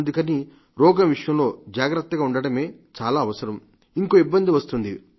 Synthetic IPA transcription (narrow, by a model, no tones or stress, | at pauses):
nd̪ukɐni | ɾɔːɡɐʋiʂjɐmlo̞ːd͡ʒaːɡɾɐt̪ːɐɡaːuɳɖɐɽɐme̞ːt͡ʃaːlaːʋɐsɐɾɐm | iŋko̞ːibːɐnd̪iʋɐst̪und̪i